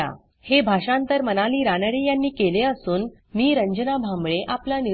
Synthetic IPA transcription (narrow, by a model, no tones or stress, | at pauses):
a̰ | hebʱaʂãnt̪əɾmənaliːɾanəɽejanːiːkeleəsuːn | miːɾəɲd͡ʑənabʱambɭeʔaplani